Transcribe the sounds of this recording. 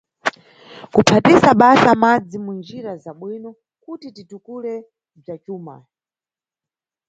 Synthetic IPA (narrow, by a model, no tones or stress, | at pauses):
kupʰatisaɓasamad͡zimund͡ʒiɾazaɓwinɔ | kutititukulɛ | b͡ʐat͡ʃuːma̰